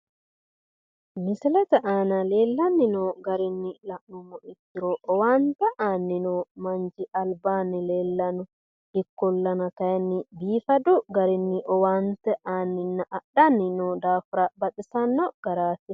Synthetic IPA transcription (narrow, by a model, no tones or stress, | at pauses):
mɪsɪlɛt̪ɛʔaːnɐleːlːɐnːɪnɔɡɐɾɪnːɪlɐʔːumɔʔɪkːɪɾɔʔɔwaːnt̪ɛʔaːnːɪnɔmɐɲd͡ʒiʔɐlbaːnɪleːlːɐnɔ | ɪkːɔlːɐnɐkɐjnːɪbiːfɐd̪ʊɡɐɾɪnːɪʔɔwaːnt̪ɛʔaːnːɪnːɐʔːɗɐnːɪnɔd̪aːfɾɐbɐtɪsɐnːɔɡ̥ɐɾaːt̪ːɪ